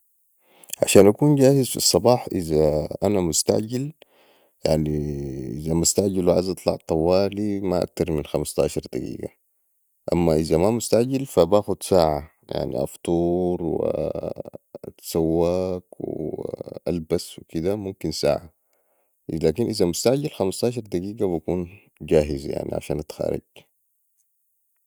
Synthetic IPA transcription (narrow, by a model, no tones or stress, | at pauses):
ʕa̰ʃaːnʔakuːnɟaːhizfḭsˤːɑbɑːħʔizaʔanamʊst̪a̰ʕɟil | jaʕniʔḭzamʊst̪aʕɟilwʕa̰zʔɑt̪ˤlɑ̰ʕt̪ˤɑwːaːlimaʔa̰k̚t̪ɑɾˤminxamast̪ɑ̰ːʃɑɾˤd̪aɡḭːɡa̰ | ʔamːaʔizamamʊst̪aʕɟilfabaːxud̪saːʕa | ja̰ʕnḭʔɑ̰ft̪ˤuːɾˤwḭ | t̪sawːaːkw̰ | ʔalbaswikid̪amumkinsa̰ːʕa | laːkinʔizamʊst̪aʕɟalxamɑst̪ɑːʃ̬ɑɾˤd̪aɡiːɡabakuːn | d͡ʒaːɦizja̰ʕnḭʕa̰ʃaːnʔat̪xa̰ːɾḭɡ